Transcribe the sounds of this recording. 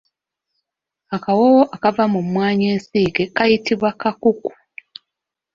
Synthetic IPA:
akawowoʔakavamumwaːɲe̞ːnsiːɡekajitiβwakakuku̥

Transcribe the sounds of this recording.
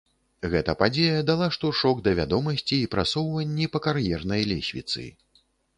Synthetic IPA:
ɣɛt̪ɐpad͡zʲejɐd̪alˠaʂt̪ɔʂɔɡd̪ɐvʲad̪ɔmɐsʲt͡sʲiːpɾatsɔwvɐnʲːipɐkarjɛrnɐjlʲɛ̰sʲvʲḭt̪sɨ̰

